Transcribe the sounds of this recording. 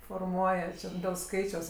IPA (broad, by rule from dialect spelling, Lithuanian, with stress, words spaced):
foːrˈmuɔjɛ t͡ʃʲɛ dʲeːlˠ ˈskɐɪt͡ʃʲɛʊs